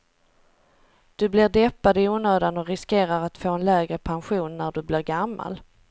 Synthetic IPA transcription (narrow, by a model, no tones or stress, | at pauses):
d̪̥ɵblɪɾɖɛpːad̪əɪuːnøːd̪anɔɾɪskeːɾaɾat̪foːɛnlɛːɡɾəpʰanɧuːnːæɖɵblɪɾɡamːa̰l